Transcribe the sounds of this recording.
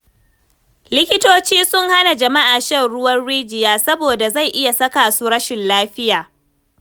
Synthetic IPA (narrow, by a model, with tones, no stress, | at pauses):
lɪ˦kʲɪ˦toː˦t͡ʃiː˦sʊ˦ŋha˦na˨d͡ʒɐ˨ma˦ʔaː˨ʃɛ˦˨ɽʊ˦wɐ˦nɽiː˦d͡ʒɪ˨jaː˦sɐ˦boː˨da˨za˦˨jʔɪ˦ja˨sɐ˦kaː˨su˦ɽɐ˦ʃɪ˨nlaː˦ɸɪ˦jaː˨